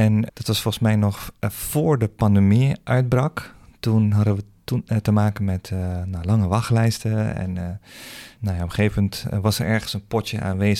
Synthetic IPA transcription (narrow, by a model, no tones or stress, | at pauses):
ɛnd̥ɑtʋɑsfɔlˠsmɛjnɔχfoːɹdəpɑndəmiʔœɥd̚brɑktunɦɑdəʋətutəmaːkənmɛtnalɑŋəʋɑχlɛjstəɛ̰nː | ajaɔmχeːvəməntʋɑsəɹɛɹχənsənpɔtjəʔa̰ːnʋeːz